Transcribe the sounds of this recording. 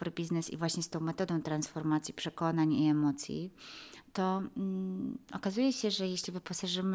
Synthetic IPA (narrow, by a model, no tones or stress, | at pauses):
ɔɾbʲiznɛsḭvwaɕɲɛst̪ɔ̃w̃mɛt̪ɔd̪ɔ̃w̃t̪ɾansfɔɾmat̪sʲjipʂɛkɔnaɲiɛmɔt̪sʲjḭt̪ɔ | ɔkazujɛɕɛʐɛjeɕlʲivɘpɔsaʐɘm